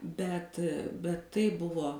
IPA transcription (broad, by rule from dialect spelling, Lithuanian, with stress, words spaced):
bʲɛt bʲɛt ˈtɐɪ ˈbʊʋoː